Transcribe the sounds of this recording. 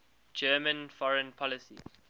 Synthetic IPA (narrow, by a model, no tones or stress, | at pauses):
d͡ʒɛmə̃nfɔɹə̃npʰɔlɪsḭ